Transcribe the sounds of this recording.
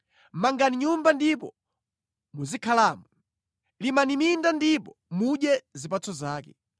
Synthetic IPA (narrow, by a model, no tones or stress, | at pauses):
maŋɡaniɲumbandipɔ̰ | muzikʰalaːmu | limanimindandipɔmuɗɛzipat͡sɔzaːkɛ